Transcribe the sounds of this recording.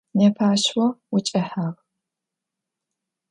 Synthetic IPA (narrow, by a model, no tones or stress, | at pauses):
nɐpʰaːɕwɔwʊt͡ʃʼɐħaːʁ